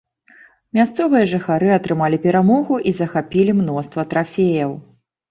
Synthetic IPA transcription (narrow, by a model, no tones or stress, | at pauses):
mʲast̪sɔvɨjɐʐɨxaɾɨɐt̪ɾɨmalʲipʲɛɾamɔɣuʔizɐxapʲilʲimnɔst̪vɐt̪ɾafʲejɐw